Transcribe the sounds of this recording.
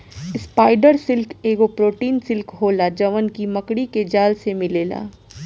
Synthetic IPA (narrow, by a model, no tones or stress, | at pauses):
ɪspaːɪɖəɾsɪlkeːɡopɾoːʈiːnsɪlkɦoːlad͡ʒɐʋənkimɐkɽiked͡ʒaːlsemɪleːla̰ː